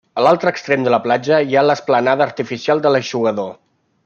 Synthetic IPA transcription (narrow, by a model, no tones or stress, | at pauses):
əlalˠt̪ɾəːkst̪ɾemd̪ələplad͡ʒəialəsplənaðəːɾt̪ifisialˠd̪ələʒuɣəðo